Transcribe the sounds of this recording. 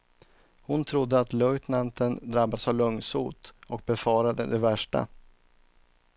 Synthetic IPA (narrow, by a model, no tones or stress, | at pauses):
hʊnt̪ʰɾʊd̪ːəat̪lœʏt̪nant̪ənd̪ɾabːad̪savlɵŋsuːt̪ʔɔk̚bɛfɑːɾad̪ə̰d̪ɛvæʂʈa̰